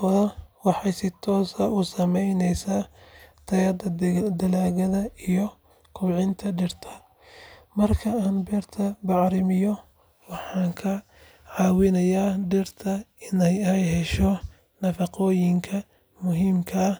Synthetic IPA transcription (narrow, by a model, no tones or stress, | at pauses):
ɔðɐwɑħɑjsɪt̪ʰɔːsɐʊsɐmɛjnɛjsaːt̪ʰɐjɐd̪ɐd̪ɐlaːɣɐðɐijɔ | kʰʊbʕɪnt̪ʰɐɖɪrt̪ʰɐ̥ | mɐrkʰɐaːnbɛːrt̪ʰɐbɑʕɾɪmɪjɔ | wɑħɑːŋkʰɐ | ʕɑːwɪnɐjaːɖɪrt̪ʰɐɪnɛjɐhɛjɦɛʃɔ | nɐfɑqɔːjɪŋkʰɐ | mʊɦiːmkʰɐː